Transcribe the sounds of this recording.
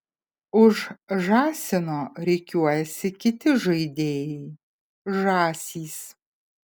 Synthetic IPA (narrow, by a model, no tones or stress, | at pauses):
ʊʒʒaːsʲɪnoːɾʲɛɪkʲʰuɔjɛsʲɪkʲɪt̪ʰʲɪʒɐɪd̪ʲeːjɛj | ʒaːsʲiːs